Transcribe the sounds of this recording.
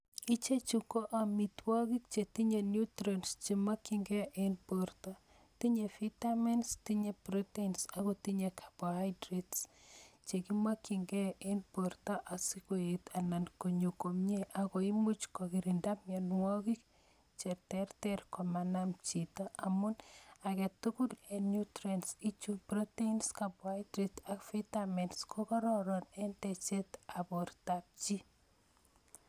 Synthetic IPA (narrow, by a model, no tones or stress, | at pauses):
it͡ʃet͡ʃukoʔamit̪wɔɣik̚t͡ʃet̪iɲenjut̪ɾenst͡ʃimakiŋɡɛʔenpoɾt̪a | t̪iɲefitamenstiɲepɾotensaɣot̪iɲekʰḁpohajdɾetst͡ʃekimakiŋɡeenpoɾt̪aʔasikoet̪ʰanankoɲokomɲeʔaɣoimut͡ʃkɔkiɾindamjɔnwɔkik̚ | t͡ʃetɛrtɛrkɔmanamt͡ʃitɔamunakɛtukulenutɾɛnsit͡ʃupɾɔteinskapwatɾitakfitamɛntskʰɔkɔɾɔɾɔnɛntɛt͡ʃɛtaportap̚t͡ʃi